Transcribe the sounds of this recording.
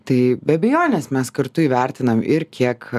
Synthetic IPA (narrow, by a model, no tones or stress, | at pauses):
t̪ɐɪbʲɛɐbʲɛjoːnʲɛsmʲɛskɐɾt̪ʊiʋʲɛɾʲt̪ʲɪnɐmɪɾkʲiɛk